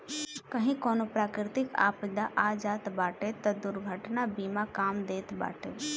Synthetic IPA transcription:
kəɦĩkoːnopɾaːkɾɪt̪ɪka̰pɪd̪aʔad͡ʒaːt̪baːʈet̪əd̪uɾɡʱəʈnabimakaːmd̪eːt̪ba̰ːʈḛ

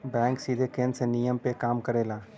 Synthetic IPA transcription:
bɛ̃ːŋksid̪ʱekẽːnsenijəmpekaːmkəɾeːlaː

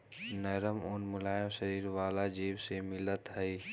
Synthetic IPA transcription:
nɛːɾəmʊnmʊlaːjõʃəɾiːɾʋaːlad͡ʒiːwsemɪlət̪ɦəi

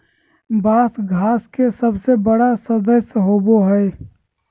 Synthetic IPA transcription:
baːsɡʱaːskesəbsebəɽasəd̪əsɦoːboɦɛɛ

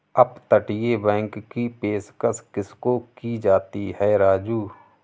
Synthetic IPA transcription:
əpt̪əʈɪjebɛ̃ːŋkːipeːskəskɪskokid͡ʒaːt̪iɦɛːɾaːd͡ʒuː

